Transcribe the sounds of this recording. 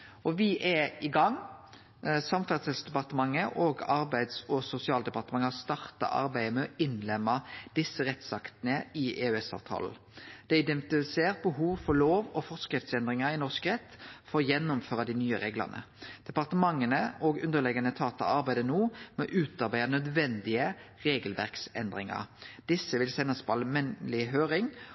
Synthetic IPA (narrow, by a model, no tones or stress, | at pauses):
ɔʋɪʔɛɪɡɑŋ | sɑmfæʁsɪlsd̪ɛpɑʁt̪əmɑŋːəʔɔɡɑɾbæɪd̪sɔsʊsɪɑːld̪ɛpɑʁt̪əmɑŋəɑst̪ɑʁt̪ɑ̰ʔɑ̰ɾbæɪəmɛɔɪnlɛmːɑd̪̥ɪsːəʁɛt̪sɑkt̪nəɪʔeːœɛsɑ̰ʋt̪ʰɑ̰ːln̩ | d̪̥ɛɪd̪ɛnt̪ɪfɪseːʁt̪̚bəɦuːʋfɔʁloːʋɔfɔskɾɪft̪sɛnd̪ʁɪŋɑɪnɔʁskʁɛt̪ːfɔʁjɛnːʊmføːʁɑd̪inyːəʁeːɡlɑ̰nə̰ | d̪̥ɛpɑʁt̪əmɑŋːənəɔɡʉnd̪əlɛɡɑnət̪ʰɑːt̪ɑ̰ɑɾbæɪd̪ənuːmɛɔʔʉːt̪ɑɾbæɪɑnœd̪ʋɛnd̪ɪəʁeːɡəlʋæ̰ʁksɛ̰nd̪ʁɪŋɑ̰ʁd̪̥ɪsːəʋɪlsɛnːɑspʰɑlmɛnlɪɦøːʁɪŋ